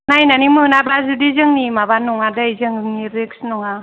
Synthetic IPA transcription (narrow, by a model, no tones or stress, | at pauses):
najnanimɯnabɾazudizɯŋnimabanɔŋadajzɯŋniɾeksnɔŋa